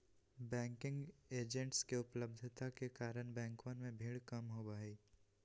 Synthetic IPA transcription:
bɛ̃ːŋkɪ̃ŋɡeːd͡ʒə̃ɳʈskeʊpləb̚d̪ʱt̪akekaːɾəɽ̃bɛ̃ːŋkwənmẽbʱiːɭkɐmɦobaːeː

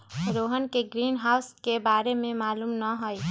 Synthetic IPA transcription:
ɾoːɦənkeɡɾiːnɦaːʊskebaːɾemẽmaːluːmnəɦoj

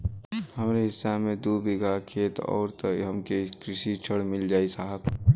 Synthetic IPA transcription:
həmɾeɦɪsːamẽd̪ubiɡʱakʰeːt̪ɔ̰ːɾt̪əɦəmkekɾɪʃit͡ʃʰəɽmɪld͡ʒaːisaːɦəb

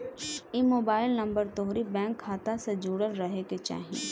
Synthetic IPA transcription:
imoːbaːɪlnɐ̃mbəɾt̪oɦɾibɛ̃ːŋkʰːaːt̪ased͡ʒuːɽəɾɾɐɦeket͡ʃa̰ːɦijḛ̃ː

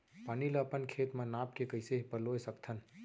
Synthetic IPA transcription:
paniləpənkʰet̪mãnapkekəɪseɦpəlojsəkt̪ʰən

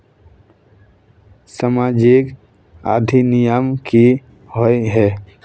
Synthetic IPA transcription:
səmaːd͡ʒek | a̰ːd̪ʱinɪjəmki | ɦoiɦɛː

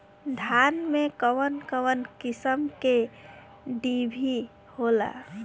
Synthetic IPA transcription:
d̪ʱaːnmẽkəwənkəwənkɪsəmke | ɖibʱi | hola̰

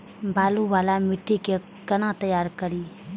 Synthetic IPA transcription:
baːluwaːlamɪʈʰːike | kənãt̪əjaːɾkəɾi

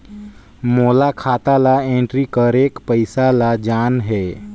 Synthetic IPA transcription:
moːlakʰaːt̪alaẽɳʈɾikəɾeːkpəɪsalad͡ʒaːnɦɛː

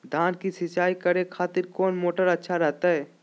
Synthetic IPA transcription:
d̪ʱaːnkisɪt͡ʃaːikəɾekʰaːt̪ɪɾkɔːnmoːʈəɾətːʃʰaɾɛɦt̪aɦɛː

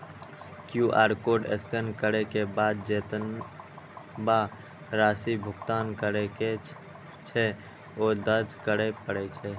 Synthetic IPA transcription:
kjuʔaːɾkoːɖeskənkəɾekebaːd̪̚d͡ʒeːt̪ən | ba | ɾaːsibʱʊkt̪aːnkəɾeke | t͡ʃʰɛ | od̪əɾd͡ʒkəɽepəɽɛt͡ʃʰɛ

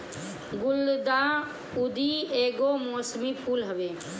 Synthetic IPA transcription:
ɡʊld̪aː | ʊd̪ʱieːɡomoːsmipʰuːlɦəʋeː

